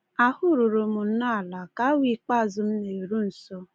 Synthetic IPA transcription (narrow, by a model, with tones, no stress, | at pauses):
a˦hʊ˦ɾʊ˨ɾo˨mʊ˨n̩˦na˦˨la˨ka˦wi˦˨k͡pa˦˨zʊ˨m̩˦ne˨ɾu˦n̩˨so˦